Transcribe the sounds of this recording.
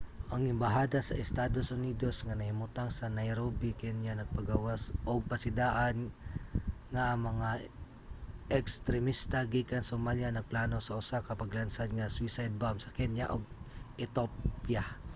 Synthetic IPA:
ʔɐŋʔɪmbɐɦaːd̪asɐ̰ʔɪst̪ad̪osʔʊniːd̪o̞sŋɐnɐhɪmʊt̪aŋsɐnajɾobɪkɛnjanɐɡ̚pɐɡawasʔoɡ̚pɐsɪd̪aːʔan | ŋaʔːŋmɐŋa | ʔɛkst̪ɾɛmist̪aɡiːkɐnsomaljanɐɡ̚plaːno̞sɐʔʊsakɐpɐɡlansad̪ŋɐswisajd̪̚bamsɐkɛnja̰ʔoɡ̚ʔɛt̪opja

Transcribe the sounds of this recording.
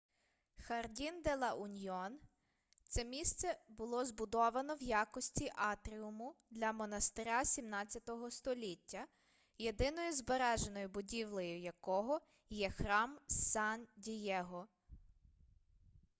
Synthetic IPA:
xɐrdʲind̪elˠɐʔunʲiɔn | t̪sɛmʲist̪sɛbʊlˠɔzbʊd̪ɔʋɐnɔwjɑkɔsʲtʲiʔɑt̪ɾʲiʊmʊd̪lʲɐmɔnɐst̪ɪɾʲasʲimnɑt͡sʲːɐt̪ɔɦɔst̪ɔlʲitʲːɐ | je̞d̪ɪnɔjʊzbeɾɛʒenɔjʊbʊdʲiwlˠɔjʊjɐkɔɦɔ | jɛxɾɑmsɑndʲijɛɦɔ

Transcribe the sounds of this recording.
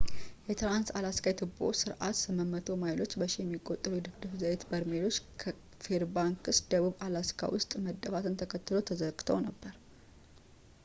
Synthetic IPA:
jɛt̪ʰɨɾansalaskat̪ʰɨbo̰sɨɾʔat̪sɨməmːət̪ʰo̞majlo̞t͡ʃːbəʃijɛmːiɡʼot̪ʼːɨɾud̪ɨkd̪ɨfzaet̪bəɾmelo̞t͡ʃːkʰ | feɾbaŋkɨsd̪əβuβalaskʰa̰wʊst̪ʼməd̪ːəfat̪ʰɨnt̪ʰəkʰət̪ːɨlo̞t̪ʰəzəɡʼt̪ʰəwnəbːəɾ

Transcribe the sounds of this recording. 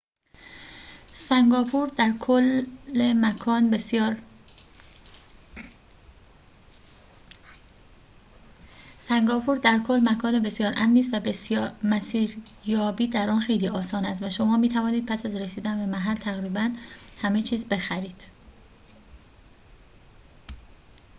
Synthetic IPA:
sæŋɡɒːpʰuɾd̪æɾkʰolːemækʰɒːnjɒːɾ | sæŋɡɒːpʰuɾd̪æɾkʰo̞lːmækʰɒːnebe̞sjɒːɾʔæmniːs̬t̪væbesmæsiːɾjɒːbiːd̪æɾʔɒːnxe̞jliːɒːsɒːnæst̪væʃo̞mɒːmiːt̪ʰævɒːniːd̪̚pʰæsæzɾesiːd̪ænbe̞mæɦælt̪ʰæɣɾiːbænhæmet͡ʃʰiːzbe̞xæɾiːd̪̥

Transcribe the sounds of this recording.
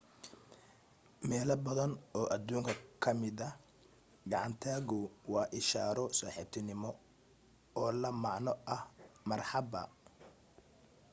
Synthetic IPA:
mɛːlɐbɐðɐnɔːʔɐd̪uːŋkʰɐkʰɐmɪðɐ | ɡɑʕɑnt̪ʰaːɣʊwɑːʔɪʃa̰ːɾɔsɔːħɪb̚t̪ʰɪnɪmɔ | ɔːlɐmɑʕnɔʔɐhmɐrħɑbɐ̰

